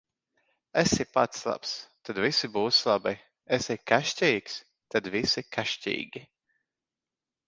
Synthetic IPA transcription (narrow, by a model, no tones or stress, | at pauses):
ɛsipat̪slˠa̰pst̪ad̪visibuːslˠaba | ɛsɛkaʃʲtʲɛjks | t̪ad̪visikaʃtʲḭːɡʲi